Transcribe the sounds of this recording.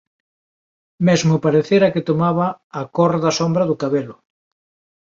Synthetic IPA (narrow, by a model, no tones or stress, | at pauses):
mezmʊpaɾeθeɾaket̪omaβaːkoɾðasombɾɐðʊkaβelʊ